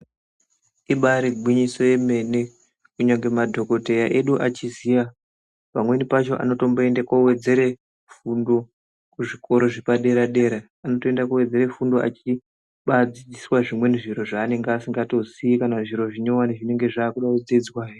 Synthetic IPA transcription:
iɓaɾiɡʱwiɲiso̞je̞me̞ne̞ | kuɲaŋɡe̞madʱo̞ko̞te̞jaʔe̞ɗuʔat͡ʃizija | pamwe̞nipat͡ʃo̞ʔa̰no̞to̞mboe̞ndekowe̞d͡ze̞ɾe̞ | fundo̞ | kuʐiko̞ɾo̞ʐepaɗe̞ɾaɗe̞ɾaːno̞toe̞ndakuwe̞d͡ze̞ɾe̞fundoa̰t͡ʃi | ɓad͡zid͡ziswaʐimwe̞niʐiɾo̞ʐaːne̞ŋɡasiŋɡato̞zikanaʐiɾo̞ʐiɲo̞waniʐine̞ŋɡe̞ʐaːkuɗakud͡zid͡zwai

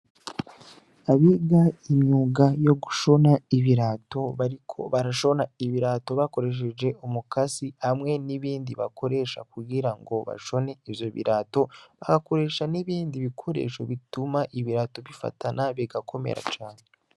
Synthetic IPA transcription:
aβiɡaiɲɲuːɡajo̞ɡuʃo̞naiβiɾaːto̞βaɾikʰo̞̰βaɾaʃo̞naiβiɾaːto̞βako̞ɾe̞ʃ̬ed͡ʒe̞ʔomukasihamŋe̞niβiːndiβa̰kʰo̞ɾe̞ʃa̰kuɡiɾaŋɡo̞βa̰ʃo̞ne̞iβjo̞βḭɾato̞βaɡako̞ɾe̞ːʃaniβiːndiβikʰo̞ɾe̞̰ʃo̞̰βitumaʔiβiɾato̞βifa̰tʰanaβiɡakʰo̞me̞̰ɾa̰t͡ʃaːne

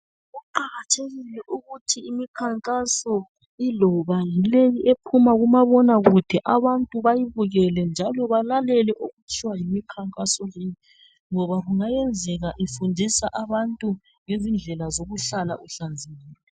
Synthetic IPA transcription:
ɣuǃaɣatʰeɣilɛʔuɣutʰiimikʰaŋkʼasɔ | ilɔβajilejiʔepʰumaɣumaβɔnaɣud̥ʱɛʔaβantʼuβajiβuɣɛlɛnd͡ʒʱalɔβalalɛlɛʔoɣut͡ʃʰiwajimikʰaŋkʼasɔjeji | ŋɔβaɣuŋajɛnd͡zʱɛɣaʔifundʱisaʔaβantʼu | ŋezind͡ɮʱɛlazoɣuɬala̰ʔuɬand͡zʱiɣɛːlɛ

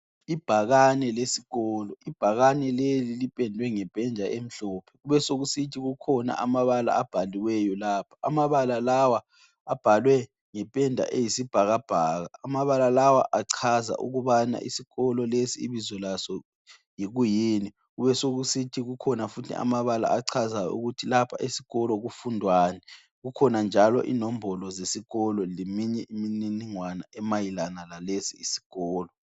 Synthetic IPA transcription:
ib̥ʱaɣanɛlesi̥ɣɔːlɔib̥ʱaɣanɛlelilipʼɛndʱwɛŋɛpʼɛnd͡ʒʱaʔem̩ɬɔːpʰɛ̥ɣuβɛsoɣusitʰiɣukʰɔna̰ʔamaβala̰ab̥ʱaliwɛjɔlaːpʰḁa̰maβalalawa | ab̥ʱalwɛ | ŋɛpʼɛndʱa̰ʔejisib̥ʱaɣab̥ʱaːɣaːmaβalalawaʔaǀʰaza̰ʔṵɣuβana̰ʔḭsiɣɔlɔlesiḭβizɔlasɔ | jiɣujiːni | uβɛsoɣusitʰiɣukʰɔnafutʰɛ̰a̰maβala̰aǀʰazaṵɣutʰilapʰa̰ʔisi̥ɣɔlɔɣufundʱwaːnɛ | ɣukʰɔnand͡ʒʱalɔ̰ʔḭnombʱɔlɔzesiɣɔlɔlemiɲɛʔimininiŋwanaɛmajilanalalesiisi̥ɣ̥ɔːlɔ

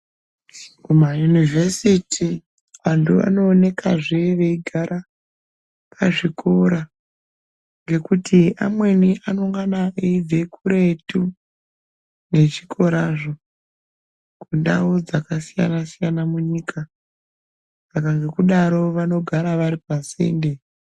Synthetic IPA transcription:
kumajunivʱesitʰi | ʋantua̰no̞ːne̞kaʐe̞ʋe̞iɡʱaɾa | pʰaʐikʰoɾa | ŋɡe̞kutiʔa̰mwe̞niʔanoŋɡanaeid͡zekuɾe̞tu | ne̞t͡ʃikʰo̞ɾaʐo̞ | kunda̰od͡zakasija̰nasijanamuɲikʰa | sakaŋɡe̞kuɗaɾo̞ʋano̞ɡʱaɾaʋaɾipase̞̰nde̞

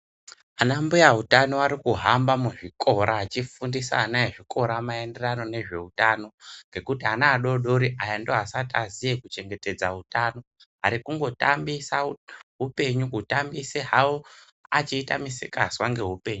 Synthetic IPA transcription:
anambujaɦutano̞aɾikuɦambamuʐikʰo̞ɾʔaːt͡ʃifundisa̰ːnaeʐikʰo̞ɾamae̞nde̞rano̞ne̞ʐe̞utano̞ŋɡe̞kutianaːɗo̞ɗo̞ɾiajandoɦasatazijekut͡ʃe̞ŋɡe̞te̞d͡zautano̞ | aɾikuŋɡo̞ta̰mbisaɦupe̞ɲukutambiseɦao | at͡ʃiːta̰misḛkaswaŋɡe̞ɦupe̞ːɲu

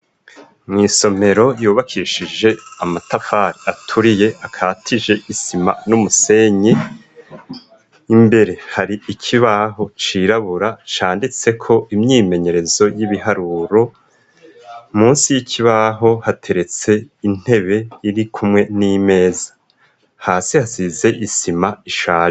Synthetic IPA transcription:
mŋiːso̞me̞ɾo̞juːβakʰiʃiʒe̞amatafaːɾiʔatʰuɾije̞ʔakʰaːtʰiʒe̞ʔisima̰numuse̞ɲe | imbe̞ɾe̞haɾiʔicʰiβaɦo̞t͡ʃiɾaβuɾat͡ʃaːndit͡se̞kʰo̞imɲiːme̞ɲe̞ɾe̞zo̞jiβiɦaɾuːɾo̞ | muːnsijicʰiβaɦo̞hatʰe̞ɾe̞t͡se̞in̥e̞βe̞iɾikʰumŋe̞niːme̞ːzḁ | haːsihasize̞ʔisimaiʃaː

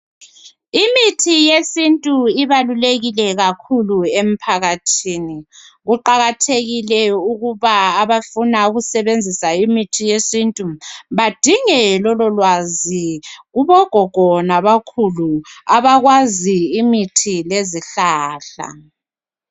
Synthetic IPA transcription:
imitʰijesintʼuiβaluleɣilɛɣakʰuluem̩pʰaɣatʰiːniɣuǃaɣatʰeɣilɛuɣuβaːβafunauɣusɛβend͡zʱisaimitʰijesintʼuβad̥ʱiŋɛlɔlɔlwaziɣuβɔɡ̥ʱɔɡ̥ʱɔnaβakʰuluaβaɣwaziːmitʰileziɬaːɬa̰

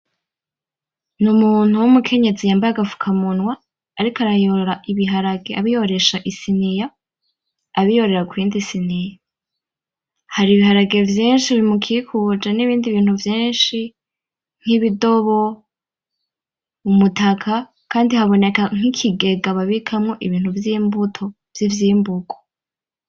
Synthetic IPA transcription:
numuːn̥huwumukʰe̞ɲe̞zijaːmbaaɡafu̥kʰamunwaː | ɾikaɾajoɾoɾaʔiβiɦaɾaɡeaβijo̞ɾe̞ʃaʔisinijaː | βijo̞ɾe̞ɾakwiːndisinija | haɾiːβihaɾaɡe̞vjiːnʃiβimukʰikʰud͡ʒaniβiːndiβiːn̥uvjiːnʃi | ŋ̥iβido̞βo̞ | umutakʰa | kaːndihaβo̞ne̞kaŋ̥hikʰiɡe̞ɡaβaβikʰamŋo̞ʔiβiːn̥huvjiːmbutʰo̞ | vjivjiːmbuɡo̥

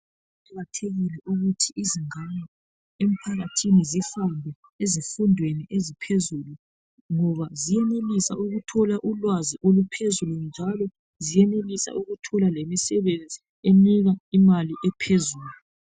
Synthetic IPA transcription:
tʰaɣatʰeɣilɛʔuɣutʰiʔːziŋana | em̩pʰaɣatʰinizifandʱɛ | ezifundʱweniʔezipʰezuːlu | ŋɔβazijɛnelisa̰uɣutʰɔlaʔulwaziʔolupʰezulund͡ʒʱalɔ | zijɛnelisa̰ʔuɣutʰɔlalemisɛβend͡zʱi | eniɣaimaliʔɛpʰezuːlu

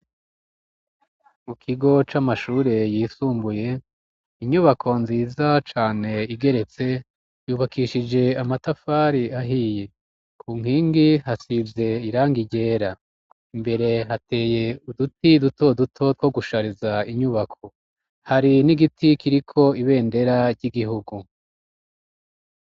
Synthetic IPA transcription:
mukʰiɡo̞t͡ʃamaʃuːɾe̞jiːsuːmbuje̞ | iɲuβakʰo̞nziːzat͡ʃaːne̞iɡe̞ɾe̞t͡se̞ | juːβakiːʃid͡ʒe̞amatafaːɾiaɦiːje | kʰuːŋ̥hiːŋɡihasivje̞iɾaːŋɡiɟe̞ːɾa | imbe̞ɾe̞ɦate̞ːje̞udutiduto̞dutʰo̞t̚wo̞ɡuʃaɾizaiɲuβakʰo̞ | haɾiniɡitʰikiɾikʰo̞iβe̞ːnde̞ɾaɾɟiɡiɦuɡu

